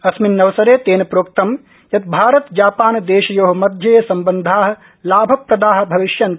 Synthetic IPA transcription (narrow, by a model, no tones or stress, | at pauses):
ɐsminːɐʋsɐɾeːt̪eːnɐpɾoːk̚t̪ɐm | jɐt̪̚bʱaːɾɐt̪d͡ʒaːpaːnd̪eːʃɐjoːɦɐmɐd̪ʱjɐjɐsɐmbɐnd̪ʱaːɦɐ̆ | laːbʱɐpɾɐd̪aːɦɐ̆bʱɐʋiʃjɐn